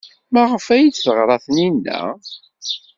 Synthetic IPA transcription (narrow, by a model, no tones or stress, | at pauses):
mæʁəfæjit͡sːθəʁɾˤɑθninːæ̰